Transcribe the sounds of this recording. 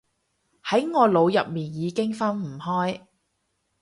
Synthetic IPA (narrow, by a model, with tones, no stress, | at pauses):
hɐ˨˥jŋɔː˨˧lo˨˧wjɐ˨p̚miː˨njiː˨˧kɪ˥ŋfɐ˥nm̩˨˩hɔː˥j